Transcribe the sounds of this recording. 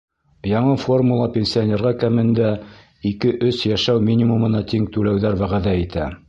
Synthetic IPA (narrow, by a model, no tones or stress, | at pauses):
jɑɴɤfo̞rmulˠɑpʲensʲionʲe̞ɾʁɑkæmɘ̆nd̪æ | ikɘʔɵsjæʃæwmʲinʲimumɤ̆nɑt̪iŋt̪ʉlæwðæɾwæʁæðæit̪ʰæ